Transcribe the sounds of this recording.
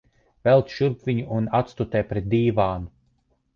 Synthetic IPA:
vɛlˠt̪ʃuɾpvʲiɲuʔunat̪st̪ut̪ɛːpɾɛt̪̚d̪iːvaːnu

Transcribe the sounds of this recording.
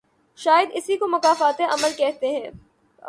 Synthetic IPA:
ʃaːjɪəd̪ɪsikomɐkaːfaːt̪eʔɐməlkɛɦt̪eɦɛ̃ː

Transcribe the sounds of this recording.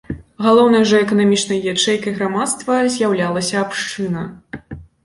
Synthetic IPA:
ɣalˠɔwnɐjɐʐɐɛkɐnamʲit͡ʂnɐjjʲɛt͡ʂɛjkɐjɣɾamat̪st̪vɐzʲjawlʲalˠɐsʲɐːpʂt͡ʂɨnɐ

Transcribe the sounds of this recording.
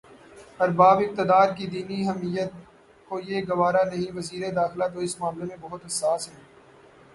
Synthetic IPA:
ɐɾbaːbɪk̚t̪ɪd̪aːɾkid̪iːniɦɛmijət̪̚ | koːijeːɡɐʋaːɾanɐɦĩʋɐziːɾed̪aːxlat̪oɪsmaːmlemẽbɐɦʊt̪ɦɐsaːsɦɛː

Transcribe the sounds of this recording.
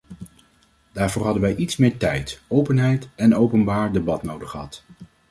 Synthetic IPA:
d̥aːɹvʊːɹɦɑdənʋɛjʔitsmɪːɹtɛjtowpənɦɛjtɛnowpənbaːɹdebɑtnowdəχəɦɑt

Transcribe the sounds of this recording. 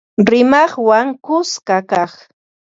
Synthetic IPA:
ɾɪmɑχwaŋkʊskakaχ

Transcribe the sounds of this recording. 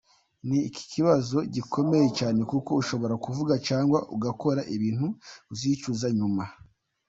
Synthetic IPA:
niːci̥ciβazo̞ɟiko̞me̞je̞t͡ʃaːne̞kuko̞uʃo̞βo̞ɾakuvuɡat͡ʃaːŋɡwaʔuɡako̞ɾaʔiβiːn̥huːziːt͡ʃuzaɲuma

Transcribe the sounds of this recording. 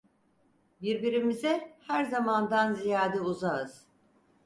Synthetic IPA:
biɾbiɾimizɛhæɾzamand̪anzijaːd̪ɛuzaɯz̥

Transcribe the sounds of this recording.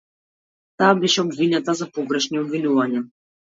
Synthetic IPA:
t̪aːbɛʃɛɔbvinat̪azapɔɡɾɛʃniɔbvinuvaɲa

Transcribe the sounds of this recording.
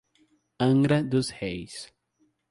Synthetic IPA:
ɐ̃ŋɡɾɐd̪ʊshejs

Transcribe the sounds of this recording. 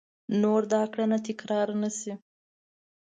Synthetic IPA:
noɾd̪ɑkɽanat̪ɪkɾɑɾnasi

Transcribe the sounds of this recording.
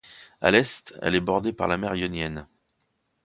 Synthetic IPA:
a̰lɛst̪ɛ̰lɛbɔʁd̪epaʁlamɛʁjɔnjɛn

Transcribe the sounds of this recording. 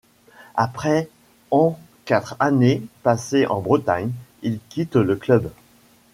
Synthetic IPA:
apχɛ | ɑ̃ | kat̪χanepaseʔɑ̰̃bʁət̪aɲilkʲit̪ləklœb

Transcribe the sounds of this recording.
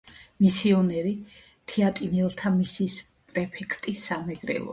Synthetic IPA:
misiɔnɛɾi | t̪ʰiat̪ʼinɛlˠt̪ʰamisis | pʼɾɛpʰɛkʰt̪ʼisamɛɡɾɛ̰lˠɔ̰

